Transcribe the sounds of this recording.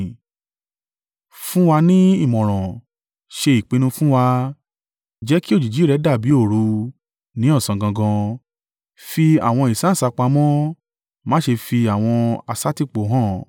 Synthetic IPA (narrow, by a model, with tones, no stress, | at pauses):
fũ˦wa˧nĩ˦i˦˨mɔ̃˨ɾ̃ɔ̃˨ | ʃe˧i˨k͡pe˨˧nũ˧fũ˦wa˧ | d͡ʒɛ˨˦ki˦o˦d͡ʒi˨d͡ʒi˨˦˨ɾɛ˨˦da˦˨bi˨˦o˦˨ɾu˨˧ | nĩ˨˦ɔ̃˦˨sã˨ɡã˧ɡɔ̃˧ | fi˧a̰˨w̃ɔ̃˧i˨sã˨˦˨sa˧k͡pa˧mɔ̃˦ | mãː˦ʃe˧fi˧a˨w̃ɔ̃˧a˧sa˦ti˦˨k͡po˨˦ɦɔ̃˦˨